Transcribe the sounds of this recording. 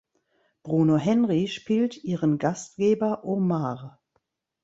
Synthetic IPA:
b̥ʁunoɦɛnʁiʃpiːltʔiːʁənɡastɡ̥eːbɐʔomaːʁ

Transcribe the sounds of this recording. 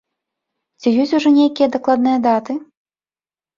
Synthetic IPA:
t͡sʲijɔsʲuʐɔnʲejkʲijɐd̪aklˠad̪nɨjɐd̪at̪ɨ

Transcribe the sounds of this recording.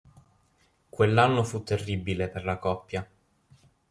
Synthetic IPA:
kwelːanːofut̪ːerːibileperlakɔpːja

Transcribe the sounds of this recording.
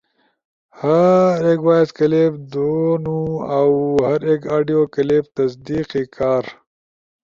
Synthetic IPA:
hɐɾeːkwaːezkɐleb̚d̪onuawhɐɾeːkaːɖijoːkɐleːb̚t̪ɐsd̪iːqikʰaːɾ

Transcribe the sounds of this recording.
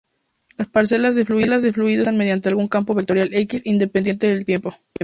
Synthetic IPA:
laspaɾse̞lazðefluilazðefluiðonmeð̞jant̪e̞alɣuŋkampo̞βik̚t̪o̞ɾjale̞kisind̪epend̪je̞nt̪e̞ðelt̪je̞mpo̞

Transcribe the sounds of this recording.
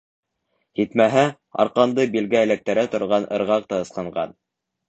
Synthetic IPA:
hit̪mæɦæ | ɑ̰ɾqɑnd̪ɤbilɡææ̆læk̚t̪æɾæt̪ŏɾʁɑnʔɤ̰̆ɾʁɑq̚t̪ɑɤ̆sqɤ̆ɴɢɑ̰n

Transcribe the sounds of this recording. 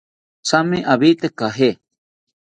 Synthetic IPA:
samĩʔaβit̪ekaɦe

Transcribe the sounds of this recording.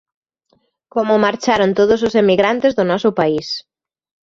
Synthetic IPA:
komʊmaɾt͡ʃaɾont̪oð̞ʊsʊsemiɣɾant̪ezðʊnɔsʊpais

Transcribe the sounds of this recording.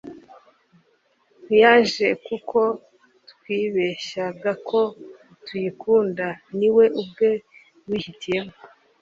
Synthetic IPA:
ujaʒe̞kukʰo̞ | tkwiːβe̞ʃaɡakʰo̞ | tujikʰuːndaniwe̞ʔub̚ɡe̞ | wiːhitije̞mo

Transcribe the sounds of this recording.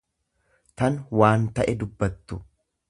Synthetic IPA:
t̪ɐnwaːnt̪ɐʔɛd̪ʊbːɐt̪ːʊ

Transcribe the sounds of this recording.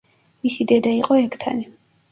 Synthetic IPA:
misid̪ɛd̪aiqʼɔɛkʰt̪ʰa̰ni

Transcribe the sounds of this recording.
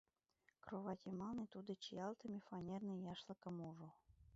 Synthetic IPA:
krovɑkʲimɑlˠnɨt̪ud̪ə̆t͡ɕijɑlˠt̪əmʲefɑnʲernɨjɑʃlˠɤ̆kə̆muʒu

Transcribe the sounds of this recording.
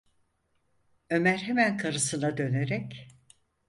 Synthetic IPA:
ø̞mæɾɦemænkʰaɾɯsɯnad̪ø̞neɾɛc

